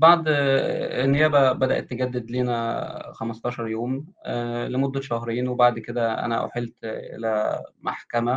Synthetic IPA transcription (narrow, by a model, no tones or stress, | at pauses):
baʕd̪ˤ | enːejæːbæbæd̪æʔet̪ːɡæd̪ːed̪liːnæxæmɑst̪ˤɑːʃɑɾˤjoːm | lemod̪ːæʃæɦɾiːnwebaʕd̪ked̪æʔæ̰næ̰ʔo̰ħelt̪ʔḛlæma̰ħkæmæ